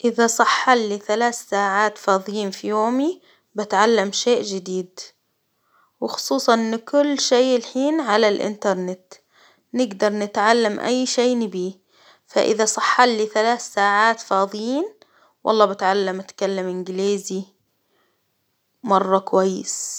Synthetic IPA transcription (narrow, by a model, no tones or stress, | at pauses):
ʔɪðasˤɑħːɑlːiθalaːθsaːʕaːt̪fɑːðˤɨjiːnfijoːmi | bɪt̪ʕalːamʃeːʔd͡ʒɪd̪iːd̪ | wɪxʊ̥sˤuːsˤɑʔɪnːkʊlːʃejɪlħiːnʕalalʔɪ̰nt̪ɑɾˤnɪt̪ | nɪɡd̪ɑɾˤnɪt̪ʕalːamʔa̰jːʃeːnɪbiː | fa̰ʔɪ̰ðasˤɑħːɑlːiθalaːθsaːʕaːt̪fɑːðˤɨjiːn | wʔɑ̰lˤːɑːbɪt̪ʕalːamʔat̪kalːamʔɪnɡɪliːzi | mɑrˤːɑkwajːɪ̰s